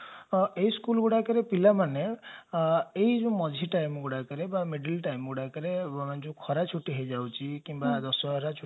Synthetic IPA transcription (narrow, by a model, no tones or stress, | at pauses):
eiskulɡuɽakɔɾepilamane | eid͡ʒũmɔd͡ʒʱiʈajmɡuɽakɔɾebameɖilʈajmɡuɽakɔɾemand͡ʒũkʰɔɾat͡ʃʰuʈiɦed͡ʒawt͡ʃʰikimbad̪ɔsɔɦɾat͡ʃʰu